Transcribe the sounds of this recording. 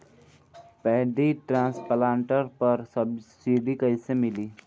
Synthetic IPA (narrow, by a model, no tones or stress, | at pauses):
pɛɦɖiʈɾãːspəlãːɳʈəɾpəɾsəbsiɖikəɪsemɪliː